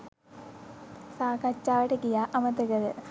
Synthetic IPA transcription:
saːkat͡ʃːaːʋəʈəkijaːʔɐmət̪əɡɐɾə

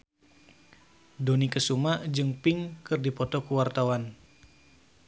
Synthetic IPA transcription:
donikəsumaʔd͡ʒɨŋpɪŋkɨrdipɔt̪ɔkuwart̪awan

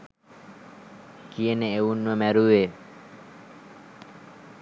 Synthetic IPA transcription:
kieneeunːomɛɾuwe

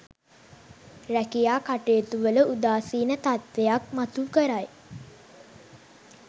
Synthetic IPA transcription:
rækijaːkaʈejət̪uʋələʔud̪aːsiːnət̪at̪ʋejak̚mat̪ukəɾaj

